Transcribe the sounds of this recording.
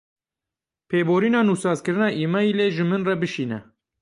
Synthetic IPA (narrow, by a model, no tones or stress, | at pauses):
pʰeːboːɾiːnɑːnuːsɑːzkɨɾɨnɑːʔiːmɑiːleːʒɨmɨnrɛbɨʃiːnɛ̰